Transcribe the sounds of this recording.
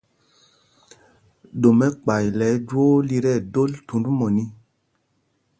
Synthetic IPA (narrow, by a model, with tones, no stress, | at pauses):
do˨mɛ˦k͡pa˨jlɛ˨˦d͡ʒwo˦li˧˨ɾɛ˦˨do˦ltu˨n˦ɾu˦mɔ˨ni˦